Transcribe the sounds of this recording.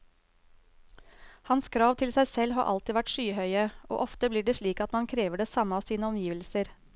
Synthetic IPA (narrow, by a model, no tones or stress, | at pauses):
hɑnskʰɾɑːʋt̪ʰɪlsæɪsɛlɦɑ̰ːʔɑ̰lt̪ɪːʋæʈʃyːhœʏəʔo̰ːʔɔft̪əbliːɖeːʂɭiːkɑt̪mɑnkʰɾeːʋəɖeːsɑməɑːʋsiːnəɔmjiːʋəlsəɾ